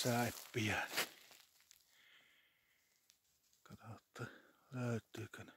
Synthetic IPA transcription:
sæˑepːijæni | kɑtot̪ːɑ | løˑyt̪ːˑyːkøn

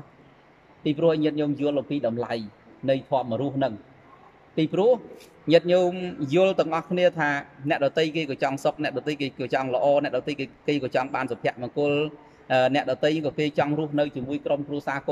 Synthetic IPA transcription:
piːpruəhʔjɲɨət̪̚ɲuːmjʊəlʔɑmpiːɗɑmlaj | nɨjt̪ʰŏəp̚məɾuəhnɨŋ | piːprŭəh | ɲɨət̪̚ɲuːmjʊ̆əlt̪ɨ̆əŋʔɑhkʰniət̪ʰaːnɛ̆əʔɗɑt̪ɨjkeːkɑt͡ɕɑŋsok̚nɛ̆əʔɗɑt̪əjkeːkɑt͡ɕɑŋlə̆ʔɑːnɛəʔɗɑt̪əjkeːkɑːt͡ɕɑŋɓaːnsɑmpʰɛ̆əʔmɑkʊəl | ʔəːnɛ̆əʔɗɑt̪ɨjŋkɑkeːt͡ɕɑŋrʊ̆əhnɨwt͡ɕiəmuəjkromkruəsaːk

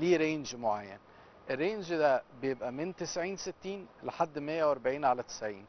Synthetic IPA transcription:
liːɾeːnʒmoʕajːæ̰n | ʔerːeːnʒd̪æbejebʔæment̪esʕiːnset̪ːiːnleħad̪ːmejːæwʔɑɾˤbaʕiːnʕalæt̪e̥sʕiːn

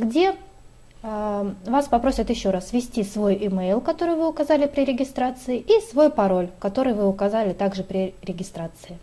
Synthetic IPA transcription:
ɡdʲe̞ | vaspɐpɾo̞sʲɪt̪jɪɕːo̞ɾasvʲɪsʲtʲisvo̞jɪmejlˠkɐt̪o̞ɾɨjvɨʊkɐzalʲɪpɾʲɪɾʲɪɡʲɪst̪ɾat̪sɨɪʔisvo̞jpɐɾo̞lʲkɐt̪o̞ɾɨjvɨʊkɐzalʲɪt̪aɡʐɨpɾʲɪɾʲɪɡʲɪst̪ɾat̪sɨɪ

